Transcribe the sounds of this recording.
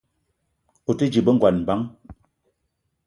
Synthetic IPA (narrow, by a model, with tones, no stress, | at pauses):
o˨tə˦d͡ʒi˨bə˦ŋ˨ɡwa˨nm˨ba˦ŋ